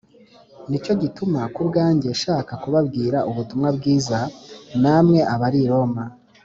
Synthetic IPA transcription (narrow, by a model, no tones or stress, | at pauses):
nit͡ʃo̞ɟitumakubɡaːɲɟe̞ʃaːkakuβabɡiːɾaʔuβutumŋabɡiːzanamŋe̞ʔaβaɾiɾo̞ma